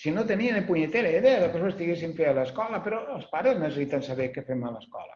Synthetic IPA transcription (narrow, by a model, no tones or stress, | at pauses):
sinot̪enienepuɲet̪eɾeiðeðəpesoest̪iɣes̬iɱfealaeskɔlɐpeɾɔəlˠspaɾeznesesit̪ansaβekefemaləskɔ̰lɐ̰